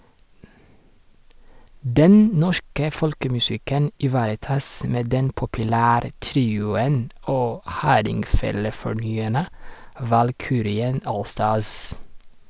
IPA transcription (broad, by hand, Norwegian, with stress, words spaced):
ˈdɛn ˈnɔʃkə ˈfɔlkəmʉˌsɪkən ɪˈʋɑːɾəˌtɑːs ˈmeː ˈdɛn pʊpʉˈlæːɾə ˈtɾiːʊən ˈoː ˈhɑːɾɪŋˌfeːləfɔˌɳyːæɳə ʋɑlˈkyːɾɪən ˈoːlˌstɑːs